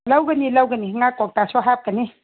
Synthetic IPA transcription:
lawɡənilawɡəniɦŋakɔk̚tasɔɦap̚kəni

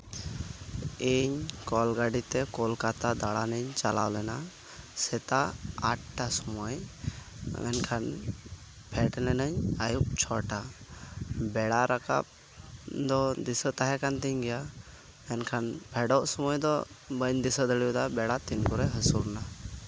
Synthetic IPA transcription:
iɲkɔlɡaɖit̪ɛkɔlkat̪ad̪aɽanəɲt͡ʃala̰wlɛna | sɛt̪aːʈ̚ːasɔmɔj | mɛ̰nkʰan | pʰɛʈlɛnəɲajuk̚t͡ʃʰɔʈa | bɛɽaɾaka̰p̚ | d̪ɔd̪isət̪aɦɛkant̪iɲɡɛja | ɛnkʰanpʰɛɖɔʔsɔmɔjd̪ɔ | bəɲd̪isəd̪əɽijud̪abɛɽat̪inkuɾɛɦəsuɾna

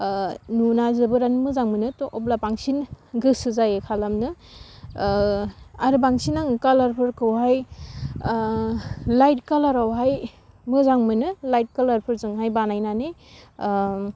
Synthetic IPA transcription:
nunazɯbɯɾanmɯzaŋmɯnɯtɔʔɔp̚lapaŋsinɡɯsɯzajɯkʰalamnɯ | aɾɯbaŋsinaŋkalaɾpʰɯɾkʰɯwɦaj | lajt̚kalaɾawɦaj | mɯzaŋmɯnɯlajt̚kalaɾpʰɯɾzɯŋɦajbanajnane

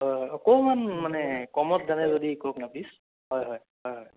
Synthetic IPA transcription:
ɦɔjɔkɔwmanmanɛkɔmɔt̚zanɛzodikɔknaplis | ɦɔjɦɔj | ɦɔjɦɔj

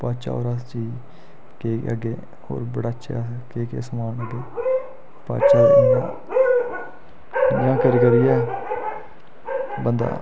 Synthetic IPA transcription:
paːt͡ʃa̰ːo̰ːɾast͡ʃiː | keːəɡeː | ho̰ːɾbəɽaːətʃʰa̰keːkeːsəmaːnəɡeː | pa̰ːt͡ʃaɾɪnã̰ː | jjãːkəɾkəɾɪjɛː | bənd̪a̰ː

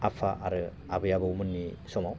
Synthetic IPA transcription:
apʰaʔaɾɯ | abɯjabɯwmɯnːisɔmaw

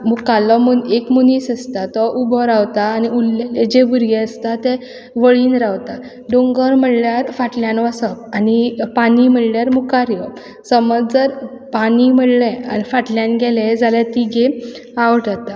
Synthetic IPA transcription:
mukalɔmunekmunisəst̪at̪ɔʔubʱɔɾawt̪aːniulːaled͡ʑebuɾɡeəst̪at̪ɛ | ʋəɭiːnɾawt̪a | ɖoŋɡəɾm̤əɽljaɾfaʈljãnʋasəpanipanim̤əɭljaɾmukaɾjɔ | səməd͡zd͡zəɾ | panim̤əɽlɛ̃anifaʈljanɡɛled͡zaljat̪iɡe | aʋəʈat̪a

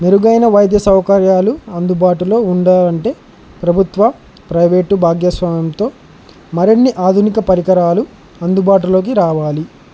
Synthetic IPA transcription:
meɾuɡɐjnɐʋɐjd̪ʱjɐsɐwɐkɐɾjaːluɐnd̪ubaːʈulo̞ːuɳɖaːlɐɳʈe̞ː | pɾɐbʱut̪ʋɐ | pɾɐjʋe̞ːʈubʱaːɡjɐsʋaːmjɐmt̪o̞ː | mɐɾenːiʔaːd̪ʱunikɐpɐɾikɐɾaːlu | ɐnd̪ubaːʈ̬ulo̞ːk̬iɾaːʋaːli

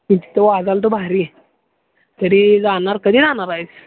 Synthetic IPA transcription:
miti̥t̪əʋad͡zalt̪̬obʱaɾi | t̪əɾid͡zanaɾkəd̪ʱiːd͡zanaɾajt͡s

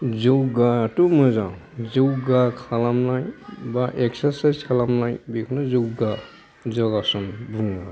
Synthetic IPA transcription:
zowɡatumɯzaw̃zowɡakʰalamnajbaʔɛksasajzkʰalamnajbikʰɔnazowɡa | zɔɡasɔnbuŋɡa

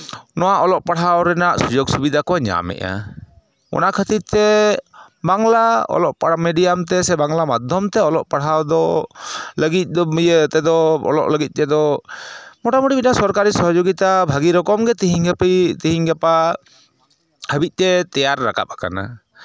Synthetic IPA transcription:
nɔwaʔɔlɔʔ̚paɽ̤awɾɛnaʔsud͡ʒoɡsubid̪ʱakɔwaɲa̰mɛ̰ʔa̰ | ɔ̰nakʰət̪iɾt̪ɛ | baŋlaɔ̰lɔʔpamɛɖiamt̪ɛsɛbaŋlamad̪ʱɔmt̪ɛɔlɔʔpaɽawd̪ɔ | ləɡit̪̚t̪ɛd̪ɔɔ̰lɔ̰ʔləɡit̪̚ˀt̪ɛd̪ɔ | mɔʈamuʈibinasɔɾkaɾisɔɦɔd͡ʒoɡit̪abʱaɡiɾɔkɔmɡɛt̪iɦiŋpit̪iɦiŋɡɛpa | həbit̪̚ˀt̪ɛt̪ɛjaɾːa̰ka̰p̚aka̰na̰

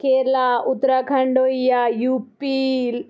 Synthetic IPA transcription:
kʰeːɾlaut̪ɾakʰɐɳɖoːijajuːpil

